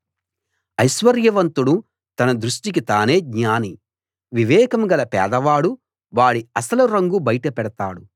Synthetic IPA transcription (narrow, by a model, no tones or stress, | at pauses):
ɐjʃʋɐɾjɐʋɐnt̪uɽu | t̪ɐnɐd̪ɾuʂʈik̬it̪aːne̞ːɡɲaːni | ʋiʋɛːkɐmɡɐlɐpɛ̰ːd̪ɐʋaːɽu | ʋaːɽiɐsɐluɾɐŋɡubɐjʈɐpɛɽɐt̪a̰ːɽu